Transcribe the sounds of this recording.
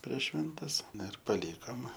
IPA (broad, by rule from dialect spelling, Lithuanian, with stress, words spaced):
pʲrʲiɛʃ ˈʃʲʋʲɛnʲtʲɛs ˈnɐ ɪr pɐˈlʲiːkoːm